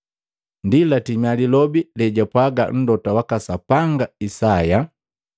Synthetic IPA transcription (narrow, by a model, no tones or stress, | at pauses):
ndilatimalilɔbilɛɟapwaɡa̰n̩dɔtawakasapaŋɡaisaja